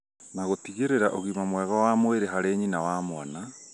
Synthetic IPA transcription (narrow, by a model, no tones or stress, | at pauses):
naɣotiɣeɾeɾaʔoɣimamwɛɣɔwaːmweɾeɦaɾeɲinawaːmwana